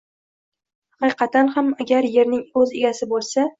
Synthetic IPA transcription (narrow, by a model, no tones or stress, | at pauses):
hɑqɨqɑt̪anhamaɡʲaɾje̞ɾnɪŋɵzeɡʲasɪbolˠsa